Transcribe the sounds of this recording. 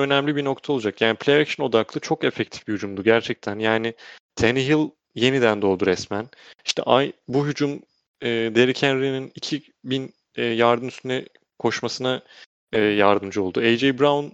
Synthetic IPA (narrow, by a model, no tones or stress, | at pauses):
ø̞næmlʲibino̞kt̪ʰaolˠd͡ʒakjaːnipʰlʲeekʃino̞d̪aklˠɯt͡ʃʰo̞kefɛc̚t̪ʰi̥fbihyd͡ʒumd̪uɟæɾt͡ʃʰɛc̚t̪ʰænjaːnɪt̪ʰeniɦilˠ | je̞nid̪ænd̪o̞lˠd̪uɾɛsmæn | iʃt̪ʰɛ̰ʔajbuɦyd͡ʒum | ɯːd̪e̞ɾicʰænɾininicʰi | binː | jaɾd̪ɯmyst̪ʰynɛ | kʰo̞ʃmasɯna | ɯːjaɾd̪ɯmd͡ʒɯo̞lˠd̪uejd͡ʒejbɾaun